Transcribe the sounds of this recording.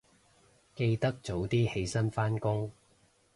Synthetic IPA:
ke˧jt̪ɐ˥k̚t͡so˨˥wt̪iː˥he˨˧jsɐ˥nfaː˥nkʊ˥ŋ

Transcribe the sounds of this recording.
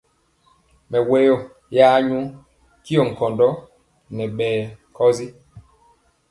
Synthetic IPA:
mɛ˨we˨˦jo˦˨ | jaː˦ɲu˦ | ki˦o˨ŋ̩˨kɔ˨ndɔ˦ | nɛ˨ɓɛː˨kʰɔ˦zi˦

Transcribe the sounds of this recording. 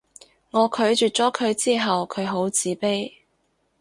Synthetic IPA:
ŋɔː˨˧kʰɵ˨˥ɥt͡ʃyː˨t̚t͡sɔː˨˥kʰɵ˨˧ɥt͡siː˥ɦɐ˨wkʰɵ˨˧ɥɦo˨˥wt͡siː˨˥pe˥j

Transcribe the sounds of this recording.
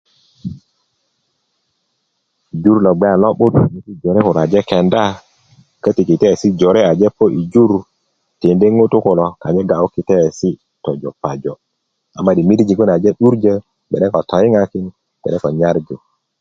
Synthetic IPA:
i˨d͡ʒu˦ɾlɔ˨ɡ͡bɛ˦a˨lɔ˦ɓu˦tni˦ti˦d͡ʒo˨ɾe˦ku˨ɾa˨d͡ʒɛ˦kɛ˨nda˦ | kə˦ti˨ki˨tɛ˦˨si˦d͡ʒo˨ɾe˦a˨d͡ʒe˦po˦ʔi˨d͡ʒu˦ɾ | te˨nde˦ŋo˦tu˦ko˨lɔ˨ka˨ɲe˦ɡa˨o˦ki˨tɛ˦˨si˦ | tɔ˨d͡ʒɔ˨pa˨d͡ʒɔ˨ | a̰˨mːa˦ɗi˨mi˦ɾd͡ʒi˨ku˦n˨a˨d͡ʒe˦ɗu˦ɾd͡ʒə˦ | bɛ˨ɗɛ˦kɔ˨tʰɔ˨˦i˦ŋa˦ki˦n | b̥ɛ̰˨ɛ˦kɔ˨ɲa˦ɾd͡ʒo˨

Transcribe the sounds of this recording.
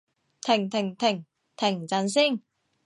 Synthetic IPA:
t̪ʰɪ˨˩ŋt̪ʰɪ˨˩ŋt̪ʰɪ˨˩ŋ | t̪ʰɪ˨˩ŋt͡sɐ˨˥ns̬iː˥˩n

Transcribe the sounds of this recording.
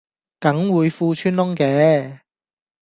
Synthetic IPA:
kɐ˨˥ŋwuː˨˧jfuː˧t͡ʃʰyː˥nlʊ˥ŋkɛː˨˥

